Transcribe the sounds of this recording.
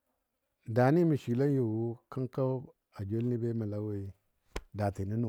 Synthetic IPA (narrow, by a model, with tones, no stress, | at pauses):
da˨ni˦mi˨ʃi˨la˦n˦jo˨wu˦ka˦ŋka˦ | a˨d͡ʒo˦lni˦be˦ma˨la˦we˦i˨˦ | da˨ti˨ni˦nu˨